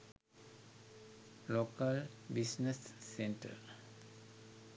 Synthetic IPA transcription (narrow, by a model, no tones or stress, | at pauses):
lokəlbisnesːeɳʈə̰ɾ